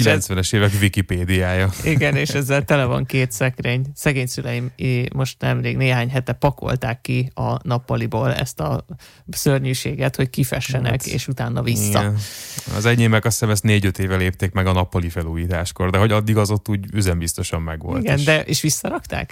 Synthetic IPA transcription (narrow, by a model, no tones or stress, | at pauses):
kilɛnsʋɛnɛʃeːvɛkvikipeːd̪iaːjɒiɡɛneːʃɛzːɛlt̪ɛlɛvɒ̰ŋkeːt̪sɛkɾeːɲsɛɡeːɲsylɛjimiːo̞ʃt̪nɛmleːɡneːɦaːɲɦɛt̪ɛpɒkʰo̞̰lt̪aːkːiɒnɒpːɒliboːlɛ̰st̪ɒ | sørɲyːʃeːɡɛt̪ho̞ckifɛʃːɛnɛ̰kḛːʃut̪aːnːɒvisːɒ̰ | ɒ̰zɛɟeːmɛkɒsɛmɛst̪neːɟøt̪eːvɛleːp̚t̪eːkmɛɡɒnɒpːɒlifɛluːjiːt̪aːʃko̞rd̪ɛɦoɟɒd̪ːiɡɒzo̞t̪ːuːɟyzɛmbist̪o̞ʃɒmːɛɡo̰ltiɡndd̪ɛʔeːʃʋisːɒɾɒkt̪a̰ːk